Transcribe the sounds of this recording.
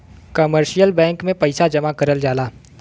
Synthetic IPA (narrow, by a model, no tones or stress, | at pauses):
kəməɾʃijəlbɛ̃ːŋkmẽpɐɪsad͡ʒɐmakɐɾəld͡ʒaːlaː